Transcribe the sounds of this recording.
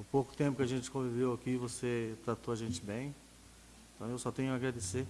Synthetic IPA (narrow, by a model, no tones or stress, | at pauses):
ʊpokʊ̥t̪ẽpʊkɪaʒẽnt͡ʃɪ̥kõvivewakivoset̪ɾat̪oaʒẽnt͡ʃɪbẽj̃ | ẽt̪ɐ̃w̃ewsɔt̪ẽɲʊaɡɾad̪ese